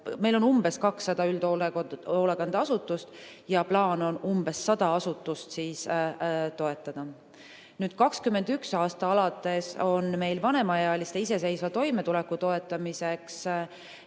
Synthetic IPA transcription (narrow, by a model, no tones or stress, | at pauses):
me̞jlo̞numbe̞skɑksːɑd̪̥ɑyld̪oolekɑnd̪̥ɑɑsut̪ːˑust̪ | jɑplɑːno̞numb̥e̞sːɑd̪̥ɑɑsut̪ːˑust̪siːs | t̪o̞e̞t̪ːˑɑd̪̥ɑ | nyːd̪̥kɑkskymːe̞nd̪̥yksɑːst̪ɑɑlɑt̪ːˑe̞so̞nme̞jlvɑne̞mɑjɑjɑlist̪e̞is̬e̞se̞jsvɑt̪o̞jme̞t̪ule̞kːut̪o̞e̞t̪ːˑɑmise̞ks